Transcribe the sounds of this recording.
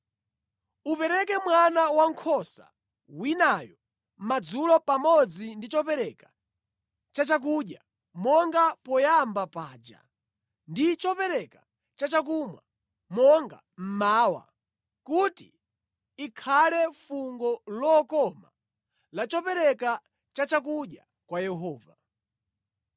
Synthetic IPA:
upɛɾɛkɛmwanawaŋkʰɔsa̰ | winajɔ | m̩mad͡zulɔpamɔd͡zindit͡ʃɔpɛɾɛka | t͡ʃat͡ʃak̬uɗja | mɔŋɡapɔjambapaːd͡ʒa̰ | ndit͡ʃɔpɛɾɛka | t͡ʃat͡ʃak̬umwa̰ | mɔŋɡa̰ | m̩maːwa̰ | kuti | ikʰalɛfuŋɡɔlɔːkɔma | lat͡ʃɔpɛɾɛka | t͡ʃat͡ʃak̬uɗja | kwajɛɦɔːva

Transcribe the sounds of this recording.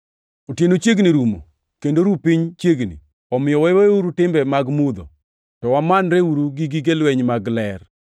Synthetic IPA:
otjenot͡ʃjeɡniɾumo̰ | kendoɾupiɲt͡ʃjeɡnḭ | ɔmɪjɔwɛweuɾutɪmbɛmaɡmud̪o̰ | tɔwamanɾeuɾuɡiɡiɡelwɛɲmaɡlɛr

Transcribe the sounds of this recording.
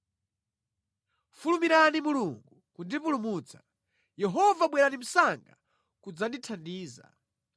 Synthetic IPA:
fulumiɾanimuluŋɡukundipulumuːt͡sʰḁ | jɛɦɔvaɓwɛɾanim̩saŋɡa̰ | kud͡zanditʰandiːza̰

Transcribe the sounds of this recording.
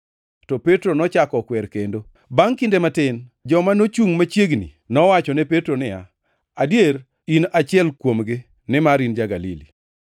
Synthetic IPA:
tɔpetɾonɔt͡ʃakɔkwɛɾkendo | baŋkɪndematɪnd͡ʒɔmanot͡ʃuŋmat͡ʃjeɡnḭ | nɔwat͡ʃɔnɛpetɾonɪja̰ | adjeɾ | inat͡ʃɪɛlkwomɡɪ | nɪmaɾind͡ʒaɡalḭli

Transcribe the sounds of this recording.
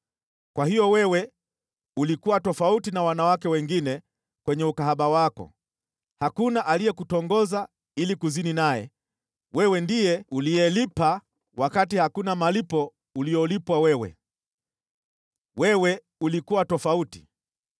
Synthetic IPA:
kwahijɔwɛwɛ | ulikuwatɔfautinawanawakɛwɛŋɡinɛ | kwɛɲɛukaɦaɓawakɔ̰ | hakunaʔalijɛkutɔŋɡɔza | ilikuzininajɛ̰ | wɛwɛndijɛuliɛlipa | wakatihakunamalipɔ | uliɔlipwawɛwɛ̰ | wɛwɛ | ulikuwatɔfauti̥

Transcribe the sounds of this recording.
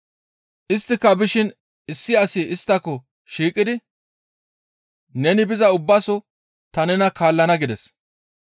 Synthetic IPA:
ʔɪst̪ːɪkːɐbɪʃɪn | ɪsːɪɐsɪɪst̪ːɐkːɔ | ʃiːkʼɪd̪ɪ | nɛnɪbɪzɐʊbːasɔ | t̪ɐnɛnɐkaːlːɐnɐɡɪd̪ɛs

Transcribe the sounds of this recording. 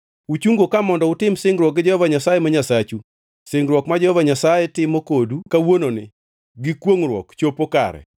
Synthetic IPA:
ut͡ʃuŋɡokamɔndɔʊtɪmsɪŋɡɾwɔk̚ɡɪd͡ʒɔhɔvaɲasajemaɲasat͡ʃu | sɪŋɡɾwɔkmad͡ʒɛhɔvaɲasajɛtɪmokodukawononɪ̰ | ɡɪkwoŋrwɔ̰kt͡ʃopoka̰ɾɛ̰

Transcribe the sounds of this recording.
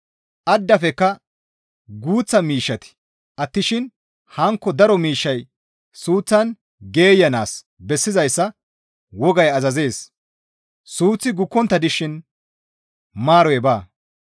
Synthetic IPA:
ʔɐd̪ːɐfɛkːɐ | ɡuːt͡sːɐmiːʃːɐt̪ɪ̥ | ʔɐt̪ːɪʃɪn | hɐŋkːɔd̪ɐɾɔmiːʃːɐj | suːt͡sːɐn | ɡe̞ːjːɐnaːs | bɛsːɪzɐjsːɐ | wɔɡɐjɐzɐze̞ːs | suːt͡sːɪɡʊkːɔnt̪ːɐd̪ɪʃɪn | maːɾɔjɛbaː

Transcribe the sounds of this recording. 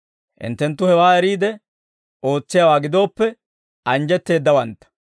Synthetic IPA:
hɪ̰nt̪ːɛnt̪ːʊhɛwaːɛɾiːd̪ɛ | ʔo̞ːt͡sːɪjaːwaːɡɪd̪o̞ːpːɛ | ʔɐnd͡ʒɛt̪ːe̞ːd̪ːɐwɐnt̪ːɐ̥

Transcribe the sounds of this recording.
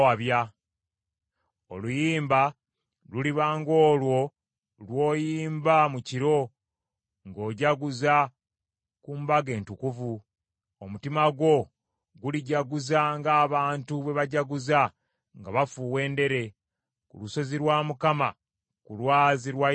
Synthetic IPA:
aβja | olujiːmba | luliβaːŋɡo̞ːlwo̞ | lwo̞ːjiːmbamuciɾo̞ | ŋɡo̞ːɟaɡuza | kumbaɡe̞ːntukuvu | omutimaɡwo̞ | ɡuliɟaɡuzaŋɡaːβaːntuβe̞βaɟaɡuza | ŋɡaβafuwe̞ːnde̞ɾe̞ | kṵluso̞ziɾwaːmukama | kulwaːziɾwa

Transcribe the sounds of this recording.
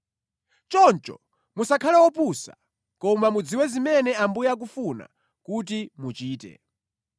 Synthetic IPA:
t͡ʃɔnt͡ʃɔ̰ | musakʰalɛwɔpusa̰ | kɔmamud͡ziwɛzimɛnɛambujak̬ufuna̰ | kut̬imut͡ʃiːtɛ̰

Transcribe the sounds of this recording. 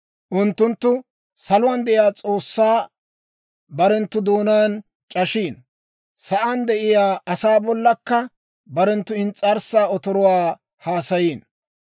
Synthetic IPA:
ʔʊnt̪ːʊnt̪ːʊ | sɐlʊwɐnd̪ɛʔɪjaːt͡sʼoːsːaː | bɐɾɛnt̪ːʊd̪o̞ːnɐjn | t͡ʃʼɐʃiːn | sɐʔɐnd̪ɛʔɪjaːʔɐsaːbɔlːɐkːɐ | bɐɾɛnt̪ːʊɪnt͡sʼːɐɾsaːɔt̪ɔɾɔwaː | haːsɐjiːn

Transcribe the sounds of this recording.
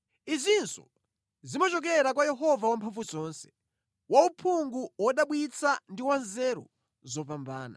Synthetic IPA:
izʷinsɔ̰ | zimɔt͡ʃɔk̬ɛɾakwajɛɦɔvawampʰaɱfuzɔːnsɛ̥ | waupʰuŋɡuwɔɗaɓwit͡sʰandiwanzɛɾɔ̰ | zɔpamba̰ːna̰

